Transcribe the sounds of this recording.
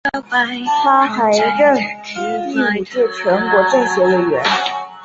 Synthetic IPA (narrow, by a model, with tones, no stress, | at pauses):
pa˥xa˧˥ɪʈ͡ʂə˥˩ŋ˧ | i˥˩i˨˩ʈ͡ʂɻ̩˥˩ʈ͡ʂʰwɛ˧˥ŋkwɔ˧˥ʈ͡ʂɤ˥˩ŋɕjɛ˧˥lə˧˩ɥɛ̰˧˥n